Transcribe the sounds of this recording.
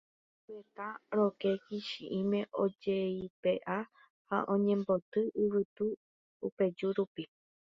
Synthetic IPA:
pet̪ãɾokekiʃiʔĩmẽ̞ʔod͡ʒeipeʔa | ha̰ʔõɲẽ̞mbot̪ɨʔɨʋɨt̪u | upe̞d͡ʒuɾupi

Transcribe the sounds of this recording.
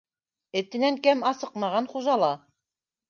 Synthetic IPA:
ɘ̆t̪ɘ̆næŋkæmɑsɤqmɑʁɑnχuʒɑlˠɑ

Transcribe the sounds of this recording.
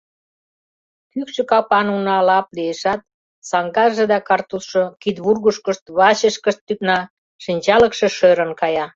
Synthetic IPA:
kykʃĕkɑpɑnunɑlɑplieʃɑt̪̚ | sɑŋɡɑʒĕd̪ɑkɑrt̪usʃokit̪βurɣuʃkə̆ʃt̪βɑɕə̆ʃkəʃt̪ːyknɑ | ʃinʲt͡ɕɑlə̆kʃĕʃøɾə̆nkɑjɑ

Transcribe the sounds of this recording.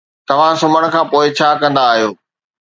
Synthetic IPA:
t̪ɐʋ̤ãsʊməɽ̃̆kʰãːpoːɪt͡ɕʰaːkɐ̃nd̪aːɦijoː

